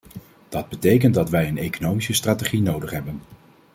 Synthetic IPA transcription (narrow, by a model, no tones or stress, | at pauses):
d̥ɑd̚bətejk̬əntdɑtʋɛjənejkonowmisəstraːteχinowdəχɦɛbən